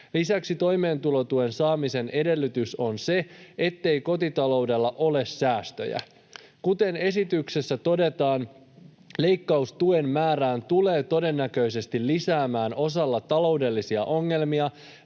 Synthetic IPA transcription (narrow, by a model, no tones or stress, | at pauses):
lisæksit̪o̞jme̞ːnt̪ulo̞t̪ue̞nsɑːmise̞ne̞de̞lːyt̪yso̞nse̞et̪ːe̞jko̞t̪it̪ɑlo̞wde̞lːɑʔo̞le̞sːæːst̪ø̞̰jæ̰ | kut̪e̞ne̞sit̪ykse̞sːæt̪o̞de̞t̪ɑːn | le̞jkːɑust̪ue̞mːæːɾæːnt̪ule̞ːt̪o̞de̞nːækø̞jse̞st̪ilːisæːmæːno̞sɑlːɑt̪ɑlo̞wde̞lːisiɑ̰ʔo̞ŋːe̞lmiɑ